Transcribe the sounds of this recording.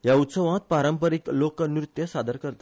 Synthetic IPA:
jaut̪səʋãt̪̚paɾəmpəɾiklokənɾut̪jəsad̪əɾkəɾt̪a

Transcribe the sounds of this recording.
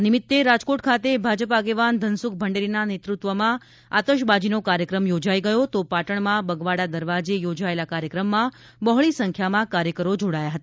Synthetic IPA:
nɪmɪt̪ːeɾad͡ʒkoʈkʰat̪ebʱad͡ʒəpaɡeʋand̪ʱənsuk̚bʱəɳɖeɾinanet̪ɾut̪ʋəmã | at̪əʃ̬bad͡ʒinokaɾjəkɾəmjod͡ʒaiɡəjot̪opaʈəɳmãbəɡʋaɽad̪əɾʋad͡ʒejod͡ʒaelakaɾjəkɾəmːã | bəɦɭisəŋkʰjamãkaɾjəkəɾod͡ʒoɽajaɦət̪a

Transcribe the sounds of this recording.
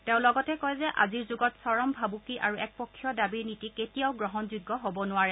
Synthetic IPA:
teʊ̃lɔɡɔtɛkɔjzɛʔa̰ziɹzuɡɔtsɔɹɔmbʱabukiʔaɹuɛk̚pɔkʰːjɔdabiɹnitiketijaʊɡɹɔɦɔnzuɡːɔɦobɔnʊwaɹɛ

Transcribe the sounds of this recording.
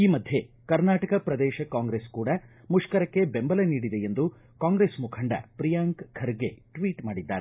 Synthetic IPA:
iːmɐd̪ʱje̞ | kɐɾnaːʈɐkɐpɾɐd̪ɛːʃɐkaːŋɡɾeːskuːɽɐ | muʂkɐɾɐkːe̞bembɐlɐniːɽid̪e̞end̪u | kaːŋɡɾeːsmukʰɐɳɖɐ̰pɾijaːŋkkʰɐɾɡeʈʋiːʈmaːɽid̪ːa̰ːɾe

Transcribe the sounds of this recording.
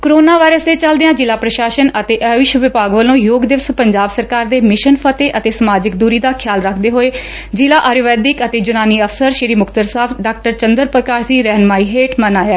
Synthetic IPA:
kɾoːnaːʋaːɪɾəseːt͡ʃəld̪ɪjãːd͡ʒɪlaːpɾəʃaːʃənət̪eːʔəʋɪʃʋɪpaːɡʋəlõːjoːɡd̪ɪʋəspəɲd͡ʒaːbsəɾkaːɾd̪eːmɪʃənpʰət̪eːʔət̪eːsəmaːd͡ʒɪkd̪uːɾiːd̪aːkʰjaːlɾəkʰd̪eːɦoːeː | d͡ʒɪlaːʔaːɾoːʋɛːd̪ɪkət̪eːd͡ʒʊnaːniːəpʰsəɾʃɪɾiːmʊkʰt̪əɾsaːbɖaːk̚ʈəɾt͡ʃənd̪əɾpɾəkaːɾd͡ʒiːɾɛɦnmaːiːɦeːʈmənaːjaː

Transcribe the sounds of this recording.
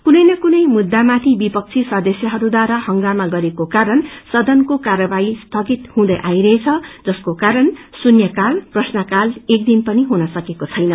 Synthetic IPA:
kunʌjnʌkunʌjmud̪ːamat̪ʰibipʌk̚t͡sʰisʌd̪esjʌɦʌɾud̪waɾahʌŋɡamaɡʌɾekokaɾʌnsʌd̪ʌnkokarʌbaist̪ʰʌɡit̪hũd̪ʌjʔajɾʌɦet͡sʰʌd͡zʌskokaɾʌnsunjʌkalprʌsnʌkalek̚d̪inpʌniɦunʌsʌkekot͡sʰʌjnʌ

